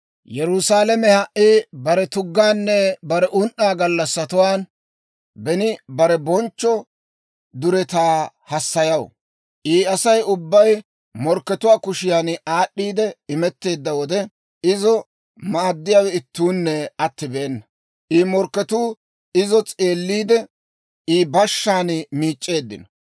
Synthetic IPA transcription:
jɛɾʊsaːlɐmɛhɐʔʔibɐɾɛt̪ʊɡːaːnːɛbɐɾɛʔʊnʔːaːɡɐlːɐsːɐt̪ʊwaːn | bɛnɪbɐɾɛbɔnt͡ʃːɔ | d̪ʊɾɛt̪aː | hɐsːɐjɐw̰ | ʔiːɐsɐjʊbːɐj | mɔɾkːɛt̪ʊwaːkʊʃɪjaːnaːɗːiːd̪ɛɪmɛt̪ːe̞ːd̪ːɐwɔd̪ɛ | ɪzɔ | mad̪ːɪjaːwɛɪt̪ːuːnːɛɐt̪ːɪbeːnːɐ | ʔiːmɔɾkːɛt̪uː | ɪzɔt͡sʼe̞ːlːiːd̪ɛ | iːbɐʃːaːnmiːt͡ʃʼːe̞ːd̪ːɪ̰nɔ̥

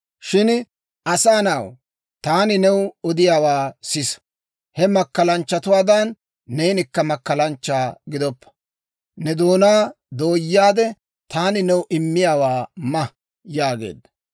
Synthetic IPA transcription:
ʃɪn | ʔɐsaːnɐw | t̪aːnɪnɛwɔd̪ɪjaːwaːsɪs | hɛmɐkːɐlɐnt͡ʃːɐt̪ʊwaːd̪ɐnː | ɛjnɪkːɐmɐkːɐlɐnt͡ʃːaːɡɪd̪ɔpːɐ̥ | nɛd̪oːnaː | d̪o̞ːjːaːd̪ɛ | t̪aːnɪnɛwʔɪmːɪjaːwaːmɐ | jaːɡḛːd̪ːɐ

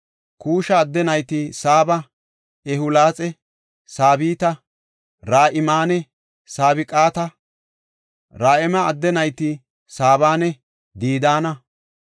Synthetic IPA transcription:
kuːʃɐːd̪ːɛnɐjt̪ɪsaːbɐ | ɛɦʊlaːt͡sʼɛ | saːbiːt̪ɐ | ɾaːʔɪmaːnɛ | saːbɪkʼaːt̪ɐ | ɾaːʔɛmɐːɐd̪ːɛnɐjt̪ɪ | saːβaːnɛ | d̪iːd̪aːnɐ

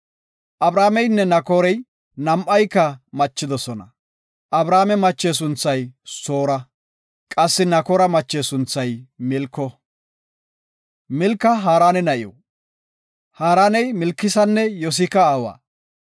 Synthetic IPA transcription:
ʔɐbɾaːmɛjnːɛnɐkoːɾɛj | nɐmʔɐjkːɐmɐt͡ʃːɪd̪ɔsɔnɐ̰ | ʔɐbɾaːmɛmɐt͡ʃːeːs̬ʊnt͡sːɐjsoːɾɐ | kʼɐsːɪnɐkoːɾɐmɐt͡ʃːeːsʊnt͡sːɐjmɪlkːɔ | mɪlkːɐɦaːɾaːnɛnɐʔɪjɔ̰ | haːɾaːnɛjmɪlkːɪsɐnːɛjɔs̬ɪkɐaːwa̰ː

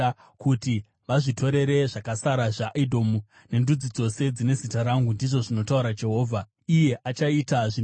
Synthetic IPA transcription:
kuti | ʋaʐitʰo̞ɾe̞ɾe̞ʐakasaɾaʐaʔidʱo̞mu | ne̞ndud͡zid͡zo̞se̞d͡zine̞zitaɾaŋɡundiʐo̞ʐino̞tauɾad͡ʒe̞ɦo̞ːvʱa | ije̞ʔat͡ʃaitaʐi

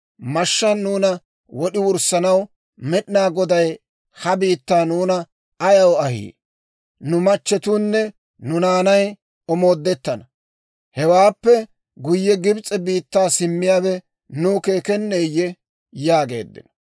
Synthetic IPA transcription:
mɐʃːɐnnuːnɐ | wɔɗɪwʊɾsɐnɐw | mɛɗɪnaːɡɔd̪ɐj | hɐbiːt̪ːaːnuːnɐ | ɐjɐwɐhḭː | nʊmɐt͡ʃːɛt̪unːɛ | nʊnaːnɐj | ɔmo̞ːd̪ːɛt̪ːɐnɐ | hɛwaːpːɛ | ɡʊjːɛɡɪbt͡sʼɛbiːt̪ːaːsɪmːɪjaːbɛ | nuːke̞ːkɛnːeːjːɛ | jaːɡe̞̰ːd̪ːɪ̰nɐ̥

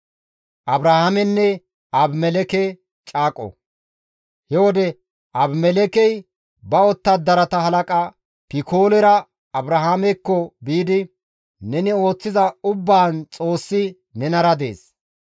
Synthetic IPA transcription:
ʔɐbɾahamɛnːɛ | ɐbmɛlɛkɛ | t͡ʃʼaːkʼɔ̰ | hɛwɔd̪ɛ | ʔɐbmɛlɛkɛj | bɐɔt̪ːɐd̪ɐɾɐt̪ɐhɐlɐkʼɐ | pɪkʰo̞ːlɛɾɐ | ɐbɾahaːmɛkːɔbiːd̪ɪ | nɛnɪo̞ːt͡sːɪzɐʊbːaːnt͡sʼo̞ːsːɪ | nɛnɐɾɐd̪ḛːs

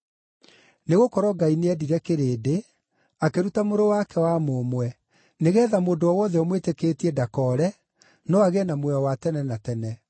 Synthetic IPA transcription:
neɣokɔɾɔɡaineɛdiɾɛkeɾeːde | akeɾutamoɾowakɛwamomwɛ | neɣɛːðamoːndoɔwɔðɛɔmwetekeːtiɛdakɔɾɛ | nɔaɣɛnamwɛɔwatɛnɛnatɛnɛ

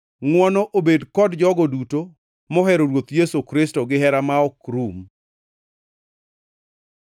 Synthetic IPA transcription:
ŋwɔnɔʔobedkɔdd͡ʒɔɡɔduto | mɔɦɛɾoɾwot̪jesokɾɪstɔɡɪɦɛɾamaɔkɾum

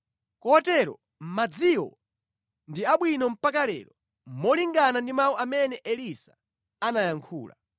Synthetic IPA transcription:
kɔtɛɾɔ̰ | m̩mad͡ziwɔ̰ | ndiaɓwinɔm̩pakalɛ̰ːɾɔ | mɔliŋɡanandimawɔamɛnɛʔɛlisḁ | anajaŋkʰṵːla̰

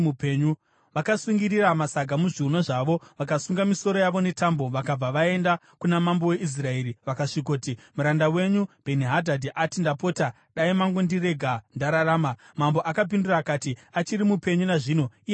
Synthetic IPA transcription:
upeːɲu | ʋakasuŋɡiriramasaɡʱamuʐiunoʐaʋo̞ʋak̬asuŋɡamiso̞ɾo̞jaʋo̞ne̞tambo̞ʋakab͡vaʋae̞nda | kunamambo̞we̞ʔis̬rae̞ːɾiʋakaʂikoːtimuɾandawe̞ɲub̥ʱeniɦadʱadʱiʔatindapo̞ːta | ɗaimaŋɡondireɡʱandaɾaɾaːma | mambo̞ʔakap̬induraːkaːtiat͡ʃiɾimupe̞ɲunaʐiːno̞i

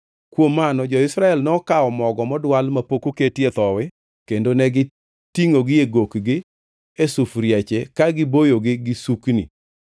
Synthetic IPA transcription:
kwomːanɔd͡ʒɔɪsɾaɛlnɔkaɔmɔɡɔmɔdwalmapokoketjet̪ɔwɪ | kendonɛɡɪ | tiŋoɡɪeɡokɡɪ | esufɾjɛt͡ʃekaɡɪbojoɡɪɡɪsuknḭ

